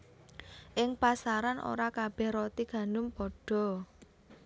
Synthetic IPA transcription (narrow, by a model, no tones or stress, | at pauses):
ʔɪŋpasaɾanʔo̰ɾakab̥ɛhrot̪iɡ̥ä̤ndʊmpɔɖ̥ɔ̤